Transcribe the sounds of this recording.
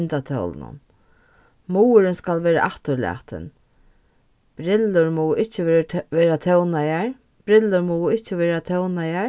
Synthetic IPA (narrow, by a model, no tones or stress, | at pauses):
nt̪at̪ʰœ̰wl̰nʊ̰n | muːəɾɪnskalʋɛːɾa̰ʔaht̪ʊɾla̰ːht̪ɪ̰n | b̥ɾɪlːʊɹmɔːɪt͡ʃːɪʋɛːɾat̪ʰɛwnajaɹ | b̥ɾɪlːʊɾmɔːɪht͡ʃɪʋɛːɾat̪ʰɛwnaja